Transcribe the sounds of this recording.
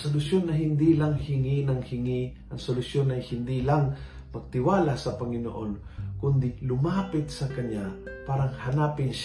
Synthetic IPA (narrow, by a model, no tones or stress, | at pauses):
solʊsjonɐɦɪnd̪ilaŋhɪŋinɐŋhɪŋiʔɐŋsolʊsjonɐjhɪnd̪ilaŋ | mɐɡ̚t̪ɪwaːlasɐpɐŋɪno̰ʔonkʊnd̪ɪlʊmaːpɪt̪̚sɐkɐɲjapaːɾɐŋhɐnaːpɪnʃ